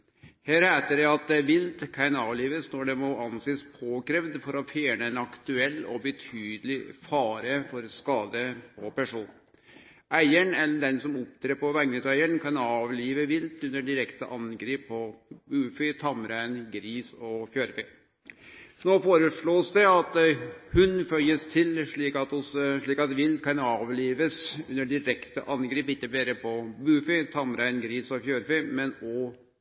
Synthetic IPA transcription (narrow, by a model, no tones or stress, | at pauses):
hæːɾhæːt̪əɖɛɑt̪ʋɪlt̪kʰæɪnɑːʋliːʋəsnɔɖɛmɔɑnseːspʰoːkɾɛʋd̪fɔɾɔfjæːɳəɛnɑkt̪ʉɛlːɔ̰bət̪ʰyːd̪əlɪfɑːɾəfɔɾskɑːd̪əpʰɔpæʂuːn | ʔæɪəɳɛlːəɖɛnsɔmɔp̚t̪ʰɾeːpɔʋæŋnət̪æɪəɳkʰɑnɑːʋliːʋəʋɪlt̪ʉnːəɖɪɾɛkt̪əʔɑnɡɾiːpʰːɔbʉːfʏt̪ʰɑmɾæɪnɡɾiːsɔfjøːɾfœ | noːfoːɾəʂɭoːsd̪ɛɑt̪hʉnfœlːəst̪ʰɪlʂɭiːkɑt̪ɔsʂɭiːkɑt̪ʋɪlt̪kʰɑnɑːʋliːʋəsʉnːəɖɪɾɛkt̪əʔɑnɡɾiːpɪk̪ːəbeːɾəpʰɔbʉːfʏt̪ʰɑmɾæɪnɡɾiːsɔfjøːɾfœmɛnɔ